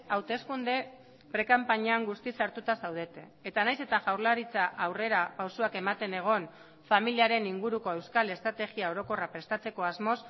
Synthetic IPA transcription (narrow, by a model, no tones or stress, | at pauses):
awt̪e̞skund̪e̞ | pɾe̞kampaɲaŋɡust̪isaɾt̪ut̪asawð̞e̞t̪e̞ːt̪anajse̞t̪aʝawɾlaɾit͡saʔawre̞ɾapawsuake̞mat̪e̞ne̞ɣ̞o̞n | familiaɾe̞niŋɡuɾuko̞e̞wskale̞st̪ɾat̪e̞ɣiao̞ɾo̞ko̞rapɾe̞st̪at͡se̞ko̞azmo̞s